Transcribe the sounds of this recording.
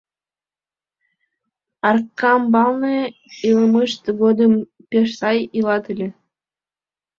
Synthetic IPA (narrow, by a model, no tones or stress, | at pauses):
ɑrkːɑmbɑlˠnɤilˠɤmɯʃt̪ɡod̪ɤ̆m | pʲeʃsɑjilˠɑt̪ɯlʲĕ